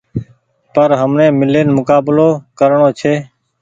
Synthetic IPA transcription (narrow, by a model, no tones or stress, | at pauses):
pəɾɦəmnẽːmɪleːnmʊkaːbloːkəɾɳoːt͡ʃʰeː